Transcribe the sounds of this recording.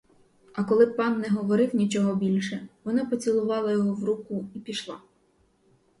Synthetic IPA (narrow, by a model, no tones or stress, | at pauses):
ɐkɔlˠɪpɑnːɛɦɔʋɔɾɪwnʲit͡ʃɔɦɔbʲilʲʃɛʋɔnɑpɔt͡sʲilˠʊʋɑlˠɐjɔɦɔwɾukʊipʲiʃlˠɑ